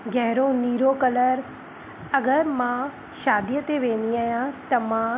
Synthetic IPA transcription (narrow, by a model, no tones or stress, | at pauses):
ɡɛɦɾõːniːɾoːkələɾ | əɡəɾmãː | ʃaːd̪jət̪eːʋẽːniaːjãːt̪ɐmãː